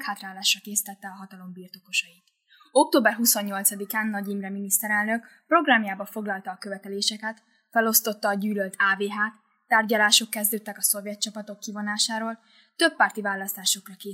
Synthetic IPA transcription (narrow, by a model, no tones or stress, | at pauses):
khaːt̪raːlaːʃrɒkeːsi̥t̪ɛt̪ːɛɒɦɒt̪ɒlo̞mbirt̪o̞ko̞ʃɒjit̪ | o̞k̚t̪oːbɛrɦuso̞ɲːo̞lt̪sɒd̪ikaːnːɒɟimrɛminist̪ɛɾɛlnøkpro̞ɡraːmjaːbɒfo̞ɡlɒlt̪ɒːkøvɛt̪ɛleːʃɛkɛt̪ | fɛlo̞st̪o̞t̪ːɒːɟyːlølt̪ʰaːveːɦaːt̪ː | aːrɟɒlaːʃo̞kːɛzd̪øːt̪ːɛkɒso̞vjɛt̪t͡ʃɒpɒt̪o̞kːivo̞naːʃaːɾoːl | t̪ø̞pːaːrt̪ivaːlːɒst̪aːʃo̞krɒkeː